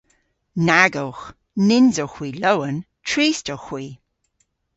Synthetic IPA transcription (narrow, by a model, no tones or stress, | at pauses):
naɡowx | nɪnzowxwiːlowən | tʰɹiːstowxwiː